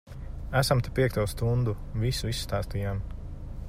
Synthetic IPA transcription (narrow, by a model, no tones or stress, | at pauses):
æsamt̪ɛpiɛk̚t̪uɔst̪und̪u | visuisːt̪aːst̪ijaːm